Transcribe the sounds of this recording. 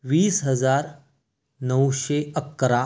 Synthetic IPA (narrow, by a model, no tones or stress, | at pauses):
ʋiːsɦəd͡zaɾ | nəwʃeəkːɾa